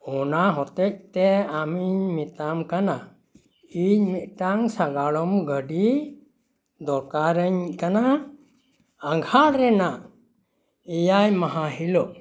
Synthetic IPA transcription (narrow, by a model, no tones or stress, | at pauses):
ɔnaɦɔt̪ɛc̚t̪ɛamiɲmit̪amkana | iɲmit̪̚ˀʈaŋsaɡaɭɔmɡəɖi | d̪ɔɾkaɾəɲkana | ŋɡʱalɾɛnaʔ | ɛjajmaɦaɦilɔʔ